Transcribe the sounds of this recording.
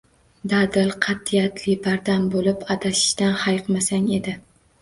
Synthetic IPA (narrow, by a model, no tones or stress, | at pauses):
d̪ad̪ɪlˠqʰɑt̪ːijat̪ʰlɪbaɾd̪ambolɪpat̪ʰaʃɪ̥ʃt̪anhajqmasaŋe̞d̪ɪ